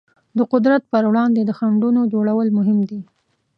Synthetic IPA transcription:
d̪əqʊd̪ɾat̪̚pəɾwɽɑnd̪ed̪əxaɳɖunod͡ʒoɽawəlmʊɦɪmd̪i

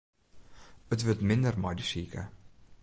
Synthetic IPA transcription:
ətvətmɪndərmɑjdisiːkə̰

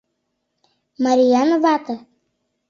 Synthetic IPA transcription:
maɾijanvat̪ə

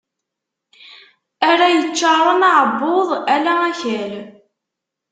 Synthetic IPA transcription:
æɾæjət͡ʃːɑɾˤənɑʕəbːoðˤælææçəl

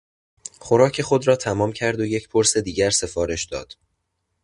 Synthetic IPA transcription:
χo̞ɾɒːcʰe̞xo̞d̪ɾɒːt̪ʰæmɒːmcʰæɾd̪o̞je̞cpʰo̞ɾse̞d̪iːɟæɾse̞fɒːɾe̞ʃd̪ɒ̰ːd̪̥

